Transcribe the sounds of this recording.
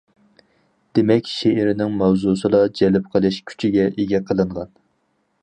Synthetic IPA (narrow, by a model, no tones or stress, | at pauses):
d̪̥emɛkʲʃeʔɪɾɪnɪŋmɑwzusɨlˠɑd͡ʒɛlɪp̚qʰəlˠɪʃkʲʰy̥t͡ʃʰiɡʲɛʔeɡʲɛqʰəlˠɨɴʁɑn